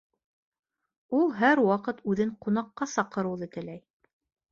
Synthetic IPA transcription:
ulˠɦæɾwɑqɤt̪ʉðɘɴqunɑqːɑsɑqɤ̆ɾɤ̆wðɤt̪ɘ̆læj

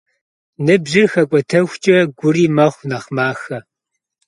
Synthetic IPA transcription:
nɨbʒɪrxɐkʷʼɔtʰɐxʷt͡ʃʼɐɡʷʊriːmɐχʷnɐχmaːxɐ

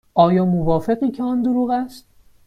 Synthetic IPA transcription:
ʔɒːjɒːmovɒːfe̞ɣiːcʰeɒnd̪oɾuːɣæst̪

